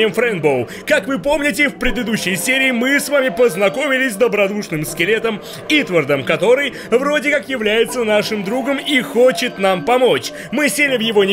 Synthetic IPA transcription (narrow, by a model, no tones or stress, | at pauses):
ɪjəmfɾɛnbolˠ | kakvɨpo̞mnʲɪt̬ʲɪfpɾʲɪd̪ɨd̪uɕːɪjsʲeɾʲɪːmɨsvamʲɪpəznɐko̞mʲɪlʲɪsʲzd̪əbɾɐd̪uʂnɨmskʲɪlʲe̞t̪əm | it̪vərd̪əmkɐt̪o̞ɾɨj | vɾo̞dʲɪkakjɪvlʲæjɪt̪sənaʂɨmd̪ɾuɡəmixo̞t͡ɕɪt̪nampɐmo̞t͡ɕ | mɨsʲelʲɪvjɪvo̞nʲ